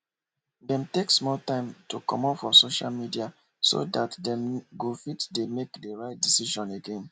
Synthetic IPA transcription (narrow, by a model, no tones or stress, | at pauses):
dɛ̃mteksmɔltãɪ̃mtukɔ̰̃mɔpfɔsoʃa̰lmidia | so̰datdɛ̃mɡofitdemekdeɹaɪt̚disiʃɔ̃neɡẽn